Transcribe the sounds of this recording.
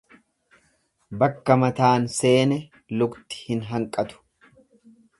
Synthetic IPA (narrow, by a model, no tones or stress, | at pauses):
bɐkːɐmɐt̪aːnse̞ːnɛ | lʊɡt̪ɪ̥hɪnɦɐŋkʼɐt̪ʊ̥